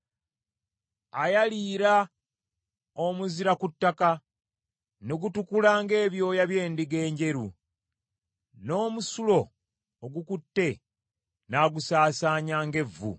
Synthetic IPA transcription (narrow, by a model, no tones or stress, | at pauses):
ajaliːɾa | omuziɾakutːaka | neɡutukulaːŋɡe̞ːβjo̞ːjaβje̞ːndiɡe̞ːɲɟe̞ɾu | no̞ːmusulo̞ː | ɡukutːe̞ | naːɡusaːsaːɲaːŋɡe̞vːṵ